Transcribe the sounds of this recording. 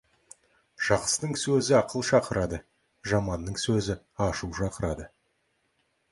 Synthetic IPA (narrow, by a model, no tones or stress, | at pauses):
ʒ̥ɑqə̥st̪əɴsɵzɪɑqʰəlˠʃɑqəɾɑd̪ə | ʒɑmɑnːəɴsɵzɪ | ɑʃuwʃɑqəɾɑd̪ə